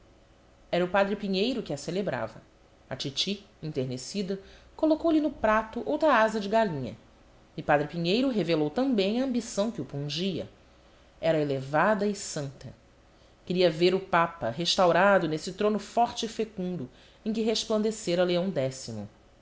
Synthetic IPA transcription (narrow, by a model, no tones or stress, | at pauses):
ɛɾɐʊpad̪ɾɪpiɲejɾʊkɪɐselebɾa̰vɐ̰ | ɐt͡ʃit͡ʃi | ĩnt̪eɾnesid̪ɐ | kolokowlɪnʊpɾat̪ʊʔowt̪ɾɐazɐd͡ʒɪɡalĩɲɐ̰ | ɪpad̪ɾɪpiɲejɾʊɦevelowt̪ɐ̃mbẽj̃ɐɐ̃mbisɐ̃w̃kɪʊpũʒiɐ̰ | ɛɾɐelevad̪ɐɪsɐ̃nt̪ɐ | kɪɾiɐveɾʊpapɐɦeʃt̪awɾad̪ʊnesɪt̪ɾõnʊfɔɾt͡ʃɪifekũnd̪ʊ | ẽj̃kɪɦeʃplɐ̃nd̪eseɾɐleɐ̃w̃d̪ɛsimʊ̰